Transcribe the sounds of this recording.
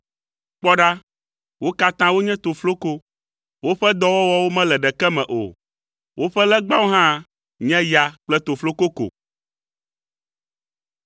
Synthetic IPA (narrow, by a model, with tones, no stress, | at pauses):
k͡pɔ˦ɖa˦ | wo˦ka˦t̪ã˦wo˦ɲɛ̃˦t̪o˨flo˦ko˦ | wo˦ɸɛ˦d̪ɔ˦wɔ˦wɔ˦wo˦mɛ̃˦lɛ˨ɖɛ˨kɛ˦mɛ̃˨ʔo̰˨ | wʔo˦ɸɛ˦lɛ˦ɡ͡ba˦wo˦ɦã˦ | ɲɛ̃˦ja˨k͡plɛ˦t̪o˨flo˦ko˦ko̰˨